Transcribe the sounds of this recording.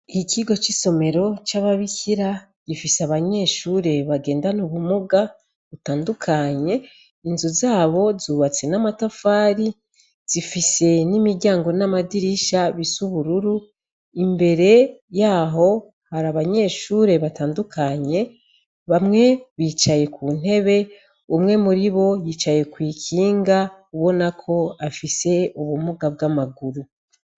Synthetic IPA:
icʰiɡo̞t͡ʃiso̞me̞ɾo̞t͡ʃaβaβikiɾa | ɟ̥ifiseaβaɲe̞ːʃuːɾe̞βaɡe̞ːndanuβumuɡa | βutaːndukʰaɲe̞ | inzuzaːβo̞zuːβat͡se̞namatafaːɾi | z̥ifise̞nimiɾɟaːŋɡo̞namadiɾiʃaβisuβuɾuɾu | imbe̞ɾe̞jaːɦo̞ | haɾaβaɲe̞ʃuɾe̞βataːndukʰaɲe̞ | βamŋe̞βiːt͡ʃaje̞kʰuːn̥e̞βe̞ | umŋe̞muɾiβo̞jiːt͡ʃaje̞kwiːkʰiːŋɡa | uβo̞nakʰo̞afise̞uβumuɡab̚ɡamaɡuɾu

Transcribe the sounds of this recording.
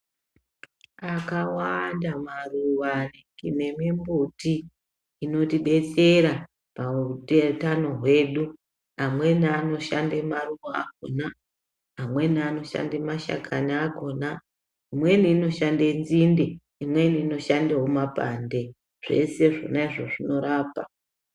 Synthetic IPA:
akawandamaruwanikine̞mimbutiː | no̞tiɓe̞t͡se̞ɾa | pautetano̞ɦwe̞ɗu | amwe̞niano̞ʃandemaruʋoa̰k̚o̰na | amwe̞niano̞ʃa̰ndemaʃa̰kʰaniako̞na | imwe̞niːno̞ʃandenzindi | imwe̞niːno̞ʃandeɦomapa̰nde̞ | ʐ̥e̞̰se̞ʐo̞̰naiʐo̞ʐino̞ɾaːpa

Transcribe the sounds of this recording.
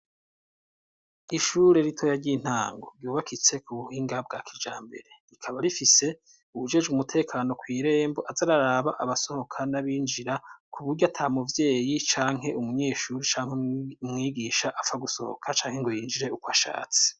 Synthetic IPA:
iʃuɾe̞ɾitʰo̞jaɾɟin̥haːŋɡo̞̰ɾɟuːβakʰit͡se̞kuβuhiːŋɡab̚ɡakid͡ʒaːmbe̞̰ɾe̞ikʰaβaɾifise̞ | uβud͡ʒe̞d͡ʒɡumutʰe̞ːkʰaːno̞kwiːɾe̞ːmbo̞ʔazaɾaɾaβaʔaβaso̞ho̞kʰanaβiːnd͡ʒiɾakuβuɾɟoatʰamuvje̞ːjit͡ʃaːŋɦe̞ʔumuɲe̞ːʃuːɾit͡ʃaːŋ̥hemŋiːɡiːʃaʔafaɡuso̞̰ho̰kʰat͡ʃaːŋhe̞ŋɡo̞jiːnd͡ʒiɾe̞ukwaʃa̰ːt͡si̥

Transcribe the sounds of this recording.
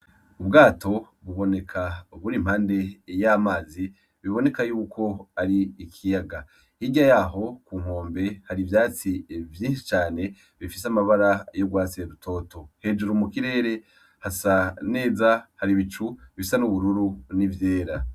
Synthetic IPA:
ubɡaːtʰo̞ | βuβo̞ne̞kʰaβuɾim̥haːnde̞jamaːzi | βiβo̞ne̞kajuːkʰo̞aɾiːkʰijaɡa | iɟajaːɦo̞kuːŋ̥o̞ːmbe̞haɾivjaːt͡sivjiːnʃi̥t͡ʃaːne̞ | βifisamaβaɾajoɡwaːt͡seɾutʰo̞ːto̞he̞ːd͡ʒuɾumukiɾe̞ːɾe̞ | hasane̞ːzahaɾiβit͡ʃuβifisanuβuɾuɾunivje̞ːɾa

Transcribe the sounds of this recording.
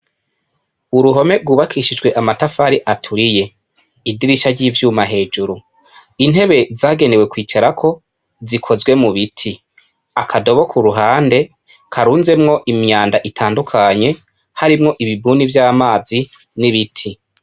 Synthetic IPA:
uɾuɦo̞me̞ɾɡwuːβakʰiʃid͡ʒɡwe̞ʔamatafaɾiʔatʰuɾije̞ | idiɾiʃaɾɟiːvjuːmaɦe̞ːd͡ʒuɾu | in̥he̞βe̞zaːɡe̞newe̞kwiːt͡ʃaɾakʰo̞ | zikʰo̞zwe̞muβitʰi | akʰado̞βo̞kʰuɾuɦaːnde̞ | kʰaɾuːnze̞mŋo̞ʔimɲaːndaʔitʰaːndukʰaɲe̞ | haɾimŋo̞ʔiβibuːnivjaːβmaːziniβitʰi

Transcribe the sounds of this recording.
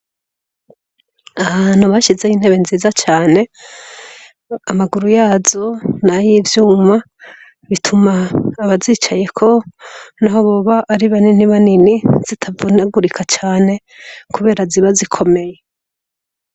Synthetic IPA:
aβan̥huβaʃize̞jin̥he̞βe̞nziːzat͡ʃaːne | amaɡuɾujaːzo̞najivjuːma | βitʰumaːβaziːt͡ʃaje̞kʰo̞naɦoβoβaʔːɾiβaniniβaniniz̥itʰavunaɡuɾikʰat͡ʃaːne̞ | kuβe̞ːɾaziβazikʰo̞me̞je̞

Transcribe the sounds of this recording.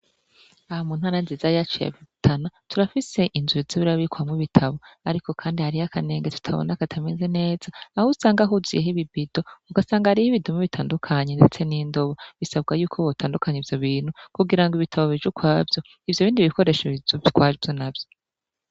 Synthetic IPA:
ahamuːn̥haːɾanzizajat͡ʃija̰βitʰanatʰuɾafise̞ʔinzuiziβiɾaβikuamŋiβitʰaβo̞aɾiko̞kʰaːndihaɾijakʰane̞ːŋɡe̞tu̥tʰaβo̞̰nakatʰame̞ze̞ne̞ːzaːhusaːŋɡaɦuzḭjeɦiβibido̞uɡasaːŋɡahaɾihiβidumiβitʰaːndukʰaɲende̞t͡se̞niːndo̞βo̞βisabɡajuːkʰoβotʰaːndukʰaɲeivjo̞βiːn̥hukuɡiɾaŋɡiβitʰaβo̞βiʒukwaːvjo̞ | ivjoβiːndiβiko̞ɾe̞ʃeβizokwaːvjonabjo

